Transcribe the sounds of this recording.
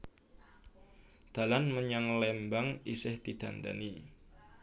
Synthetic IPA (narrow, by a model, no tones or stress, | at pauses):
d̪̥a̤lanməɲaŋlɛmbaŋisɪht̪id̪̥a̤nd̪a̰ni